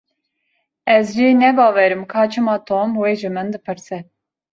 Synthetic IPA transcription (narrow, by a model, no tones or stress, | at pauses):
ɛzʒenɛbɑːvɛɾɨmkʰɑːt͡ʃʰɨmɑːt̪ʰoːmweːʒɨmɨnd̪ɨpʰɨɾsɛ